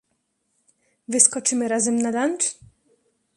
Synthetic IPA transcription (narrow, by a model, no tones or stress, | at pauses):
vɪskɔt͡ʂɘmɘɾazɛmnalant͡ʂ